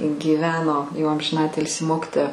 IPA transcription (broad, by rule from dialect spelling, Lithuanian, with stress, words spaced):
ɡʲiːˈʋʲæːnoː jɛʊ ɐmʲʒʲɪnˈɑːtʲɪlʲsʲɪ ˈmoːkʲɪtoːjɛ